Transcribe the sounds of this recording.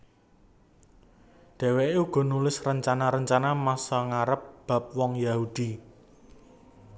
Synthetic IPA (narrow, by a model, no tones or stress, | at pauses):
d̪̥ɛ̤weeuɡ̥ɔ̤nulɪsrəɲt͡ʃanaɾəɲt͡ʃanamasɔŋaɾəp̚b̥a̤p̚wɔŋjahud̪̥i